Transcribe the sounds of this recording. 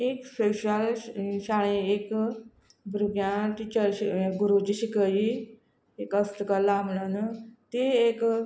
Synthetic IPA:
ekseɕalɕaɭ̃eek | bɾuɡjãʈ̪it͡ɕəɾiɡuɾut͡ɕiɕikəji | ekəst̪əkalamlənt̪eːk

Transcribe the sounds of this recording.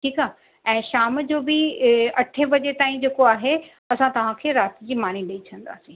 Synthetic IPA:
ʈʰiːkaː | ɛ̃ːʃaːmd͡ʑoːbɪɐʈʰeʋɐd͡ʑet̪aːĩd͡ʑeːkoaːɦe | ɐsãt̪ɐʋ̤ãkʰeːɾaːt̪ɪd͡ʑiːmaːn̤iɗiit͡ɕʰɐ̃n̆d̪a̰ːsĩː

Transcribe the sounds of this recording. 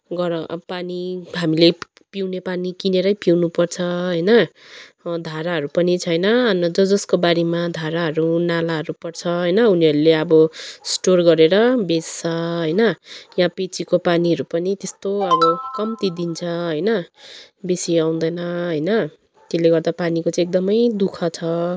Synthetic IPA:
ɡʌɾʌpaniɦamile | piwnepanikineɾʌjpiwnupʌrt͡sʰʌɦʌjnʌ | d̪ʱaɾaɦʌɾupʌnit͡sʰʌjnʌʌnʌd͡zʌd͡zʌskobaɾemad̪ʱaɾaɦʌɾunalaɦʌɾupʌrt͡sʰʌɦʌjnʌuniɦʌɾuleʌbʌsʈorɡʌɾeɾʌbest͡sʰʌɦʌjnʌjãpet͡sikopaniɦʌɾupʌnit̪est̪oʌbʌkʌmt̪id̪int͡sʰʌɦʌjnʌ | besiaw̃d̪ʌjnʌɦʌjnʌ | t̪eleɡʌrd̪apanikot͡sãːek̚d̪ʌmʌjd̪ukʰʌt͡sʰʌ

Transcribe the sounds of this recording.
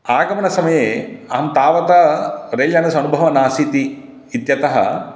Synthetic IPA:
aːɡɐmɐɳɐsɐmɐjeːɐɐmt̪aːʋɐt̪ɐɾeːljanɐsɐnubʱɐʋɐnaːsit̪i | it̪jɐt̪ɐɦɐ̰

